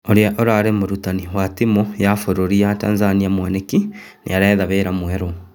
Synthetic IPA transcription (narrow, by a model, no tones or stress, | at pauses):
oɾeaʔoɾaːɾemoɾutaniwatimojafoɾoɾiata̰ːnzaniamwaneki | nḛaɾaðaβeːɾamwɛɾo